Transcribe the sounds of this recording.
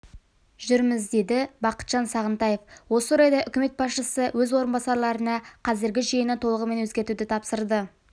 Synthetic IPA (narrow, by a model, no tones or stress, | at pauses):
ʒʏɾmɪzd̪e̞d̪ɪbɑqə̥t̪ʒ̥ɑnsɑʁənt̪ɑje̞fwo̞səoɾɑjd̪ɑʔʏkʲɪme̞t̪̚bɑsʃəsəwɵzwo̞ɾənbɑsɑɾlˠɑɾənɑqʰɑzɪɾɡʲɪʒijənət̪ʰo̞lˠəʁəme̞nwɵzɡʲe̞ɾt̪ud̪ɪt̪ʰɑpsəɾd̪ə